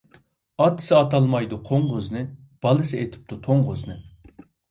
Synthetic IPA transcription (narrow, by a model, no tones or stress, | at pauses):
ɑt̪ʰːɨ̥sɪɑt̪ʰɑlˠmɑjd̪uqʰoɴʁʊznɨ | b̥ɑlˠɨsɨet̪ʰɪ̥p̚t̪ʰut̪ʰoɴʁʊznɨ